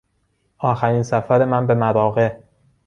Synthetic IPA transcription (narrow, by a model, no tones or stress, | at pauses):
ʔɒːxæɾiːnsæfæɾe̞mænbe̞mæɾɒːɣe̞